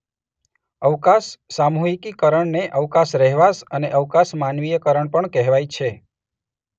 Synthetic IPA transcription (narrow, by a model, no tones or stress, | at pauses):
əʋkasːamuɦikikəɾəɳneʔəʋkasɾɛɦʋasəneʔəʋkasmanʋijəkəɾəɳpəɳkɛɦʋajt͡ʃʰe